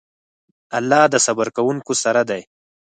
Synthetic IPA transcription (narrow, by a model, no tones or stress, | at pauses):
alːɑd̪əsabaɾkawuŋkosaɾad̪aj